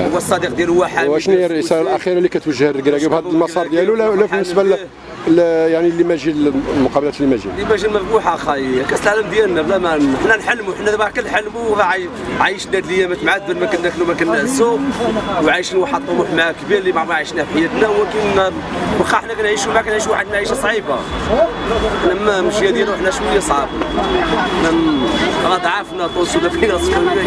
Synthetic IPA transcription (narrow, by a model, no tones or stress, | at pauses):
b̪sˤːɑd̪iq̚d̪jæləwaħəd̪æʃnæjɾʕisɑɾɑlʔæxiɾɑlːikæt̪wəʒːəhərːəɡɾæɡibhæd̪əlmɑsˤɑɾd̪jælulːælːæfənːəsbæl | jaʕnilːimæʒilmʊqɑbəlæt̪lːimæʒinlimæʒilməfmuħaxɑjkæslʕaləmd̪jælːælæmæħnːænħalːmuħnːæðmækənħalːmuɾɑʕi | ʕajəʃnæd̪ləjːæmæt̪mʕad̪̚bənmækənːæknumækənːæsuwʕajʃinwaħɑd̪ˤumuħmækbiɾlibɑʕɾˤɑʕiʃnæhfħajːæt̪næwkən | bxɑħnækænʕiʃumækænʕiʃuwaħəd̪mæʕiʃæsˤʕiba̰ | ħnæmːæməʒjæd̪jælwəħnæʃwuləjæsˤʕɑba | ħnæ | ɾˤɑd̪ˤʕɑfnæt̪ˤusud̪æfinæsˤħilnæ